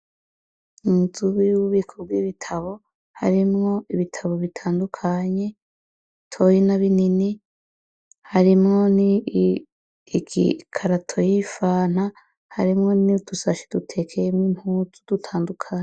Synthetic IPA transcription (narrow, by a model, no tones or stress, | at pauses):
uzuβijuwuβikʰobɡwiβitʰaβo̞ | ha̰ɾimŋo̞iβitʰaβo̞βitʰaːndukʰaɲe̞ | tʰo̞jinaβinini | haɾimŋo̞ni | ɡḭkʰaɾatʰo̞jifaːn̥ha | ha̰ɾimŋo̞nidusaʃi̥d̥utʰe̞kʰejemŋim̥huzu̥d̥utʰaːndukʰaɲe